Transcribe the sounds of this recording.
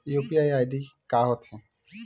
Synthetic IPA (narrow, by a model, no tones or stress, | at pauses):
jopiajajɖikaɦɔt̪ʰẽ